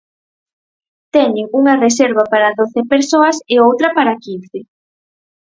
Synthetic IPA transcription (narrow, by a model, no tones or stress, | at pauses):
t̪ɛɲɪuŋɐreseɾβapaɾaðoθɪpeɾsoɐseowt̪ɾɐpaɾakin̟θe